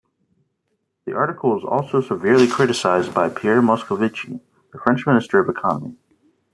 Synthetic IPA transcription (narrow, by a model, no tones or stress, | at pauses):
ðiʔɑɹɾɨkʰl̩ˠwʌzɔ̰lˠsoʊsəvɪɹlˠikʰɹ̥ɪɾɨsaɪzbaɪpʰiɛɹmɑskəvɪt͡ʃḭ | ðəfɹɛ̃nt͡ʃmɪ̃nɨstə˞ʌvɨkʰɑnəmḭ